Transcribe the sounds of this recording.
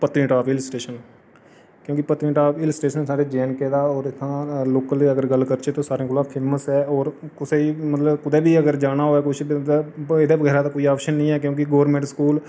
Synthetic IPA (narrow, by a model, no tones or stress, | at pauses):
pət̪ɾɪ̃ːʈaːpɪləsʈeːʃən | kjõːkɪpət̪ɾɪ̃ːʈaːpʰɪləsʈeːʃənsaːɾeːd͡ʒɛ̃ːnkeːd̪aːɔːɾɪt̪ʰːãːloːkəliːəɡəɾɡəlːkəɾt͡ʃeːt̪oːsaːɾẽːkʰoːlãːpʰeːməsɛːɔːɾkʊseːimət̪ləbkʊd̪ɛːbiːəɡəɾd͡ʒaːnaːɦoːɛːkʊt͡ʃʰd̪eːd̪eːbəɡɛːɾaːd̪aːkoːiːaːpʃənːĩːɛːk̬jõːk̬ɪɡoːʋəɾmẽːɳʈskuːl